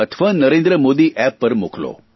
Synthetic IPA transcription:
ɐt̪ʰʋaːnɐɾeːnd̪ɾəmoːd̪iʔɛːpːɐɾmo̰ːkʰɐlo̰ː

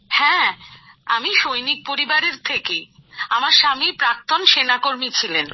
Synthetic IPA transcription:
hɛ̃ | amiʃojnik̚poɾibaɾeɾt̪ʰekejamaɾʃamipɾak̚t̪onʃenakoɾmit͡ɕʰilen

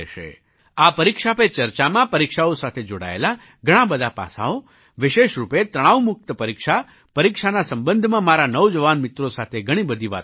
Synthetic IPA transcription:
ʃḛ | apəɾikʃapet͡ʃəɾt͡ʃamãpəɾikʃaosat̪ʰed͡ʒoɽa̰ḛla | ɡʱəɽ̃ãbəd̪ʱapa̰sa̰o | ʋɪʃeʃɾupet̪ɾəɽ̃aʋmʊk̚t̪əpəɾikʃa | pəɾikʃanasəmbə̃nd̪ʱmãmaɾanəwd͡ʒəʋanmɪt̪ɾosat̪ʰeɡʱəɽ̃ibəd̪ʱiʋa̰

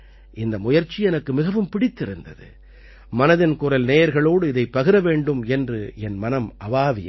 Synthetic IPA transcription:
ʔɪnd̪ɐmʊjɐɾt͡ʃːiɛnɐkːɯmɪɣɐʋɯmpɪɽɪt̪ːɪɾɯnd̪ɐ̰ðɯ̰ | mɐnɐðɪnkʊrɐlneːjɐɾɣɐɭoːɽɯɪðɐɪpːɐɣɯɾɐʋeːɳɖɯmɛndrɯɛnmɐnɐmʔɐʋaːʋɪj̰

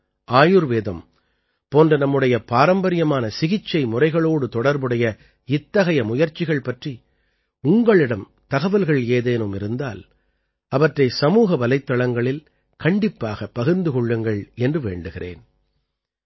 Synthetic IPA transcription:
ʔaːjɯɾʋeːðɐm | poːndrɐnɐmːɯɽɐjɐpaːɾɐmbɐɾɪjɐmaːnɐsɪɣɪt͡ʃːɐɪmʊrɐɪɣɐɭoːɽɯt̪ɔɽɐɾbɯɽɐjɐ | ɪt̪ːɐɣɐjɐmʊjɐɾt͡ʃɪɣɐɭpɐʈri | ʊŋɡɐɭɪɽɐm | t̪ɐɣɐʋɐlɣɐɭeːðeːnɯmɪɾɯnd̪a̰ːl | ɐʋɐʈrɐɪsɐmuːɣɐʋɐlɐɪt̪ːɐɭɐŋɡɐɭɪl | kɐɳɖɪpːaːɣɐpːɐɣɯɾnd̪ɯkɔɭːɯŋɡɐɭɛndrɯʋḛːɳɖɯɣɪrḛːn

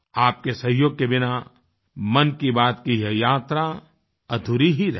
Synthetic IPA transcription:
aːp̚kesɐɦjoːɡ̚kebɪna | mɐnkibaːt̪kijɛjaːt̪ɾa | ɐd̪ʱuɾiɦiɾɐɦ

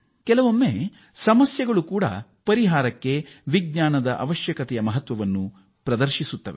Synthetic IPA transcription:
kɛlɐʋomːe | sɐmɐsjɐɡɐɭukuːɽɐ̰ | pɐɾiɦaːɾɐkːeʋiɡ̚ɲaːnɐd̪ɐʔɐ̰ʋɐʃjɐkɐt̪ɛjɐmɐɦɐt̪ʋɐʋɐnːu | pɾɐd̪ɐɾʃisut̪ːɐʋḛ

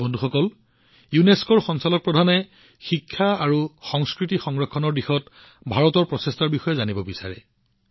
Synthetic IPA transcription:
bɔndʱuxɔkɔl | juneskɔɹxɔnsalɔt̚pɹɔdʱanɛ | xikʰːaaɹuxɔŋskɹitixɔŋɹɔkʰːɔnɔɹdixɔt | bʱaɹɔtɔɹpɹɔsestaɹbixɔjɛzanibɔbisa̰ɹɛ̰

